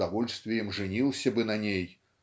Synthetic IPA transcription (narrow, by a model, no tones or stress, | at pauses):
avɔlʲst̪vʲɪjɛmʐɨnʲilˠsʲɐbɨnɐnʲej